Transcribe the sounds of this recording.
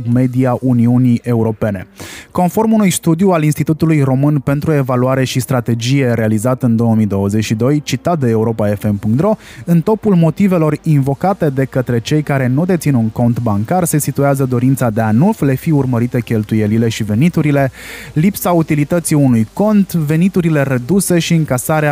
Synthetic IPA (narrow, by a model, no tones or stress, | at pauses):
me̞d̪iaʔuniunie̞uɾo̞pe̞ne̞ko̞nfo̞rmunujst̪ud̪jualinst̪it̪ut̪ulujro̞mɨnpe̞nt̪ɾue̞valuaɾe̞ʃist̪ɾat̪e̞d͡ʒije̞ɾe̞alizat̪əɨnd̪o̞wəmid̪o̞wəze̞t͡ʃʃid̪o̞jt͡ʃit̪at̪̚d̪eːuɾo̞pae̞fe̞mpuŋkt̪ɾo̞ɨnt̪o̞pulmo̞t̪ive̞lo̞rinvo̞kat̪e̞d̪e̞kət̪ɾe̞t͡ʃe̞jkaɾe̞nud̪e̞t̪sinuŋko̞nt̪baŋkarse̞sit̪ueazəd̪o̞ɾint̪sad̪e̞anufle̞fiurməɾit̪e̞kʲe̞lt̪uje̞lile̞ʃive̞nit̪uɾile̞lipsaut̪ilit̪ət̪siunujko̞nt̪ve̞nit̪uɾile̞ɾed̪use̞ʃiɨŋkasaɾea